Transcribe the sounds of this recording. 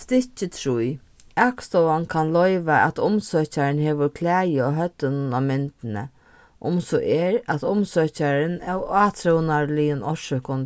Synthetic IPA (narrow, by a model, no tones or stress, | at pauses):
st̪ɪht͡ɕɪt̪ʰɾuj | ɛkst̪ɔwankʰanlɔjʋaæ̰t̪ʊmsœːt͡ɕaɾɪnɦeːʋʊɾkʰlæːjəɔɦœt̪ːənnamɪnt̪ɪnə̰ | ʔʊmsɔʔɛːɾæt̪ʊmsœːcaɾɪnɛwaːt̪ʰɾuwnaɾlɪjənʔɔʃʏhkʊn